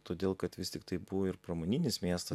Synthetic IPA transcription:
t̪oːd̪ʲeːlˠkɐt̪ʋʲɪst̪ʲɪkt̪ɐɪbʊʋoːɪɾpɾɐmoːnʲɪnʲɪsmʲiɛst̪ɐ

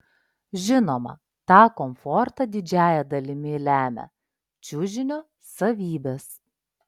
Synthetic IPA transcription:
ʒʲɪnoːmɐ̰ | t̪ɑːkɔmfɔɾt̪ɐd̪ʲɪd͡ʒʲæːjɛd̪ɐlʲɪmʲɪlʲæːmʲɛ̰ | t͡ʃʲuːʒʲɪnʲoː | sɐʋʲiːbʲeːs

